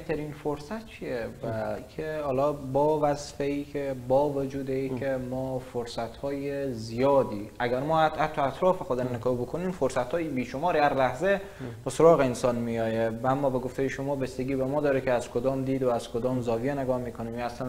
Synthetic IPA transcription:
t̪ʰæɾiːnfoɾsæt̪̚t͡ʃʰijevækʰehɒːlɒːbɒːvæzfeiːkʰebɒːvod͡ʒuːd̪eiːkʰʲemɒːfoɾsæt̪hɒːjezijɒːd̪iːʔæɡæɾmɒːhæt̪ʰːɒæt̪ʰɾɒːfexod̪emnekɒːhbokʰoniːmfoɾsæt̪hɒːjibiːʃomɒːɾidæɾlæhze | besoɾɒːɣeensɒːnmijɒːjevæmːɒːbe̞ɡoft̪ejeʃo̞mɒːbesd̪eɡiːbemɒːd̪ɒːɾekʰeæzkʰod̪ɒːmd̪iːd̪oæz̥kʰod̪ɒːmzɒːvijeneɡɒːhmiːkʰonimæslæn

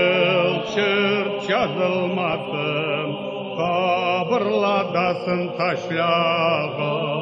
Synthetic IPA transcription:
lˠʃɪɾt̪ʃɑzəlˠmɑd̪ə | qʰɑbəɾlˠɑd̪ɑsənt̪ʰɑʃlɑʁɑ

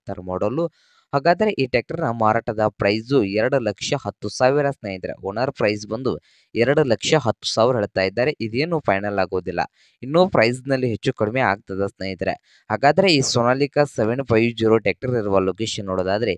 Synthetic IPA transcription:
t̪ɐɾɐmoːɽolu | haːɡaːd̪ɐɾe̞ʔiːʈek̚ʈɐɾnɐmaːɾaːʈɐd̪ɐpɾɐjsuɛɾɐɽulɐkʂɐhɐt̪ːusaːʋiɾɐsneːjid̪ɐɾḛonɐɾpɾɐjsbɐnd̪u | ɛɾɐɽulɐkʂɐɦɐt̪ːu̥saːʋɾɦeɭt̪aːjid̪ːaːɾe̞ʔid̪eːnuːpʰɐjnɐlaːɡoːd̪ilːɐ̰ | inːuːpɾɐjsnɐlːiɦet͡ʃːukɐɽimea̰ːɡ̚t̪ɐd̪ɐsneːjid̪ɐɾḛ | haːɡaːd̪ɐɾe̞iːsonaːlikɐseʋeɳpʰɐjʋd͡ʒiːɾoːʈeːk̚ʈɐɾiɾuʋɐloːkeːʃɐnːoːɽoːd̪aːd̪ɐɾe̞

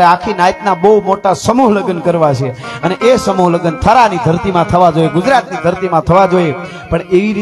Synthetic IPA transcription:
eakʰinajt̪nabəumoʈasəmuɦləɡənkəɾʋat͡ʃʰeəneʔesəmuɦləɡənt̪ʰəɾanid̪ʱəɾt̪imãt̪ʰəʋad͡ʒoeɡud͡ʒɾat̪nid̪ʱəɾt̪imãt̪ʰəʋad͡ʒoe | pəɳeʋiɾi

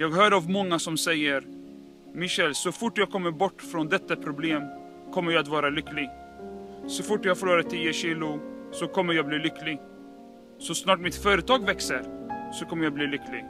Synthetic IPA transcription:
jɑːɡɦœːɾəavmɔŋːasɔmsɛjːəɾ | mɪɕɛlsɔfʊʈːjɑːɡ̚kʰɔmːəɾbɔʈːfɾɔːnd̪ɛt̪ːapʰɾʊbleːm | kʰɔmːəjaat̪vɑːɾalʏkːlɪɡ | sɔfʊʈːjɑhɡfɔluːɾat̪ʰiːəɕiːlʊsɔkʰɔmːəɾjɑːɡbliːlʏkːlɪɡ | sɔsnɑːʈmɪt̪fœːɾət̪ʰɑːɡvɛksəɾsɔkʰɔmːəjɑːɡbliːlʏkːlɪɡ

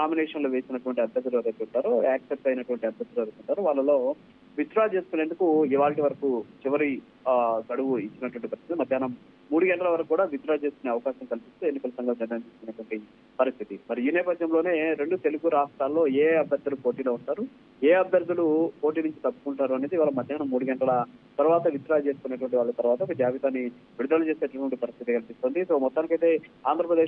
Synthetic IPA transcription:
naːminɛːʂɐnloːʋe̞ːsinɐʈuʋɐɳʈiɐb̪ʱjɐɾd̪uluɐɾɐjt̪eːuɳʈaːɾoaːksep̚ʈɐjnɐʈuʋɐɳʈiɐb̪ʱjɐɾd̪uluɐɾuk̪uɳʈaːɾuʋaːɭːɐlo̞ː | ʋit̪ɾaːt͡ʃe̞ːskune̞ːnd̪ukuiʋaːlʈ̬iʋɐɾɐkut͡ʃiʋɐɾi | kɐɽuʋuit͡ʃːinɐʈuʋɐɳʈipɐɾist̪ʰit̪imɐd̪jaːnɐm | muːɽuɡɛɳʈɐlɐʋɐɾɐkukuːɽaːʋit̪ɾaːt͡ʃe̞ːskuneːɐʋɐkaːʃɐmkɐlipist̪ue̞nːikɐlɐsɐŋɡʱɐmd͡ʒɐnːɐnt͡ʃeːskunːɐʈuʋɐɳʈi | pɐɾist̪ʰit̪imɐɾiiːnɛːpɐd̪jɐmlo̞ːne̞ːɾe̞ɳɖut̪e̞luɡuɾaːʂʈaːlːo̞ːeːɐbʱjɐɾd̪ɐlupo̞ːʈiːlo̞ːuɳʈaːɾu | eːɐbʱjɐɾd̪ʱɐlupo̞ːʈiːnuɲt͡ʃit̪ɐpːu̥kuɳʈaːɾuɐned̪iʋaːlɐmɐd̪ʱjaːnɐmːuːɽuɡɛɳʈɐlɐt̪ɐɾuʋaːt̪ɐʋit̪ɾaːlt͡ʃe̞ːsu̥kunːɐʈuʋɐɳʈ̬iʋaːɭːɐt̪ɐɾʋaːt̪ɐɔkɐd͡ʒaːʋit̪aːnːi | ʋiɽud̪aːlut͡ʃe̞ːseːʈɐʈʋɐɳʈipɐɾist̪ʰit̪ikɐnɐpist̪o̞ːnd̪iso̞ːmɔt̪ːaːnikɐjt̪e̞ːaːnd̪ɾɐpɾɐd̪e̞ː

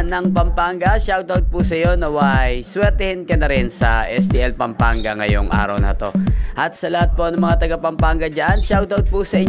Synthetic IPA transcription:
nɐŋpɐmpaŋɡɐʃawt̪awt̪̚pusɐjo̞nɐwajswɛɾt̪ɛhɪnkɐnɐɾɪnsɐʔɛsd̪iʔɛlpɐmpaŋɡɐŋɐ̰jo̰ŋʔa̰ːɾɐ̰wnɐ̰t̪o̞̰ʔɐt̪̚sɐlɐhat̪̚po̞nɐŋmɐŋat̪ɐɡapɐmpaŋɡɐd͡ʒanʃawt̪awt̪̚pusɐʔɪɲ

